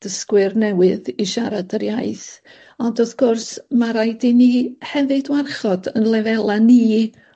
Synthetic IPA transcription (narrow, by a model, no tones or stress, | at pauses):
d̥əskwɨrnɛwɨðiʃaɾadəɾjaɨθ | ɔndɔθɡ̥ʊrsmaɾajdinihɛvɨdwarχɔdənlˠɛvɛlˠaniː